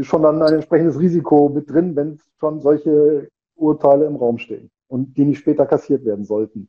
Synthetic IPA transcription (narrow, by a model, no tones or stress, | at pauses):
ʃoːndanaɪnɛntʃpʁ̥ɛçn̩dəsʁiːzikʰomɪt̚d̥ʁɪnvɛn | ʃoːnzɔlçə | ʔuɐtʰaɪləɪmʁaʊmʃtḛːən | ʔʊntd̥iːnɪçʃpɛːtɐkʰasiːɐtv̥eːɐdn̩zɔltn̩